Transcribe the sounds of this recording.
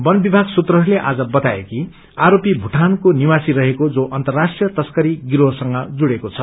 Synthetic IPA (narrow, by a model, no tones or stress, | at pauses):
bʌnbibʱaɡsut̪rʌɦʌɾuleʔad͡zʌbʌt̪aḛki | aɾopibʱuʈʰankonimasiɾʌɦekod͡zoʔʌnt̪ʌrːasʈrijʌt̪ʌskʌɾiɡiɾosʌŋʌd͡zuɽekot͡sʰʌ